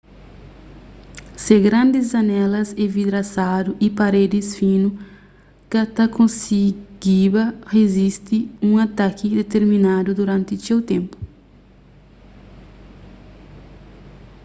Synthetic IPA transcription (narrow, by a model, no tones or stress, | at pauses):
seɡɾɐ̃nd̪izɐnɛlɐsevid̪ɾasad̪uʔipaɾed̪ɪsfĩnu | kɐt̪ɐkõnsiɡ̥ibɐhezist̪iũŋat̪akʰid̪et̪eɾmĩnad̪ud̪uɾãnt̪ɪsewt̪ẽmpu̥